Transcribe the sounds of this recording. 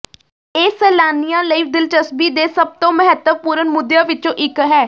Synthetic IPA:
eːsɛːlaːnijãːləiːd̪ɪlt͡ʃəsbiːd̪eːsəb̚t̪õːməɦət̪əʋpuːɾənmʊd̪jãːʋɪt͡ʃõːʔɪkɦɛː

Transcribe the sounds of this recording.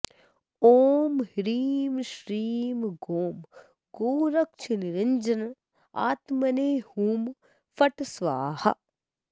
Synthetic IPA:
oːmhiɾiːmʃɾiːmɡoːm | ɡoːɾɐk̚t͡ʃʰiniɾɪnd͡ʒɐn | a̰ːt̪mɐneːhuːm | fɐʈsʋaːhɐ̰

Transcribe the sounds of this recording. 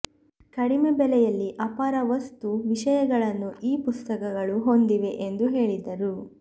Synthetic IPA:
kɐɽimebɛlɛjɐlːiʔɐpaːɾɐʋɐst̪uʋiʃɐjɐɡɐɭɐnːuʔiːpust̪ɐkɐɡɐɭuɦo̞nd̪iʋe̞ʔend̪uɦe̞ːɭid̪ɐɾu

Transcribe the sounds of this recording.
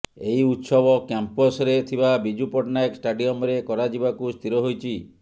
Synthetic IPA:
eiut̪sɔbɔkjampɔsɾet̪ʰibabid͡ʒupɔʈnaeksʈaɖiɔmɾekɔɾad͡ʒibakust̪ʰiɾɔɦojt͡ʃʰi

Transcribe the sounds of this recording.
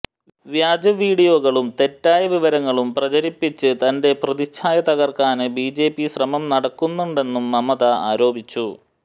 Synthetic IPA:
ʋjaːd͡ʑɐʋiːɽijo̞ːɣɐɭumt̪e̞tːaːjɐʋiʋɐɾɐŋːɐɭumprɐt͡ɕɐɾipːit͡ɕːɨt̪ɐnde̞prɐðit͡ɕʰːaːjɐt̪ɐɣɐrkaːnɨbiːd͡ʑe̞ːpːiɕrɐmɐmnɐɽɐkːunːuɳɖe̞nːumːɐmɐðɐa̰ːɾo̞ːbit͡ɕːu

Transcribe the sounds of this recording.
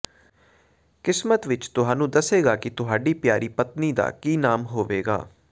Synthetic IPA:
kɪsmət̪ʋɪt͡ʃt̪ʊɦaːnũːd̪əseːɡaːkɪt̪ʊɦaːɖiːpjaːɾiːpət̪niːd̪a̰ːkiːnaːmɦoːʋeːɡa̰ː

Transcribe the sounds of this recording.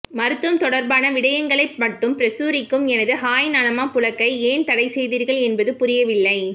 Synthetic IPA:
mɐɾɯt̪ːɯmt̪ɔɽɐɾbaːnɐʋɪɽɐjɐŋɡɐɭɐɪmɐʈːɯmpɾɛsuːɾɪkːɯmɛnɐðɯhaːjnaːlɐmaːpʊlɐkːɐɪeːnt̪ɐɽɐɪsɛjðiːɾɣɐɭɛnbɐðɯpʊɾɪjɐʋɪlːɐɪ

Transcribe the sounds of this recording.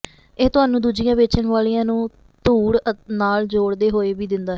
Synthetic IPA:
ɪːt̪ʊaːnũːd̪uːd͡ʒɪjãːʋeːt͡ʃəɳʋaːlijãːnũː | t̪uːɽnaːld͡ʒoːɽd̪eːɦoːeːʋiːd̪ɪnd̪aː

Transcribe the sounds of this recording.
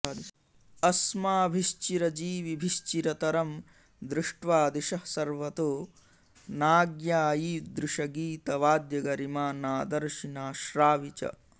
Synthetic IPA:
ɐsmaːbʱiʃt͡ʃiɾɐd͡ʒiːʋibʱiʃt͡ʃiɾɐt̪ɐɾɐm | d̪ɾɪʂʈʋaːd̪iʃɐhsɐɾʋɐt̪oː | naːɡjaːjiːd̪ɾuʃɐɡiːt̪ɐʋaːd̪jɐɡɐɾimaːnaːd̪ɐɾʃinaːʃɾaːʋit͡ʃɐ̰

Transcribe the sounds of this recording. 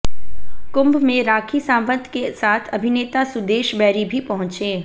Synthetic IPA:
kʊ̃mbmẽɾaːkʰisãːmbə̃nd̪ʱkesaːt̪ʰɐbʱɪneːt̪asʊd̪eːʃbɛːɾibʱipɐɦʊ̃t͡ʃẽː

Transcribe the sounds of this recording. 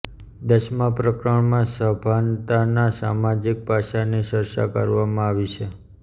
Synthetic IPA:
d̪əʃmãpɾəkɾəɳmãsəbʱant̪anasa̰mad͡ʒik̚paʃaniʃəɾʃa̰kəɾʋamãaʋit͡ʃʰe

